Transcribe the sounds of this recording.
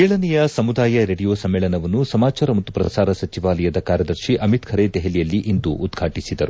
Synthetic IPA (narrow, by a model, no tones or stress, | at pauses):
keːɭɐnɛjɐsɐmud̪aːjɐɾe̞ɽijoːsɐmːeːɭɐnɐʋɐnːusɐmaːt͡ʃaːɾɐmɐt̪ːupɾɐ̰saːɾɐsɐt͡ʃiʋaːlɐjɐd̪ɐkaːɾjɐd̪ɐɾʃiʔɐmit̪kʰɐɾed̪ɛɦelijɐlːiʔind̪uʔːd̪ɡʱaːʈisid̪ɐɾu